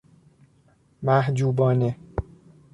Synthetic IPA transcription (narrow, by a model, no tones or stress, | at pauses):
mæhd͡ʒuːbɒːne